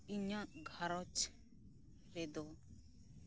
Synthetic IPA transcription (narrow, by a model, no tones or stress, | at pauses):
iɲãɡʱaɾɔt͡ʃ | ɾed̪ɔ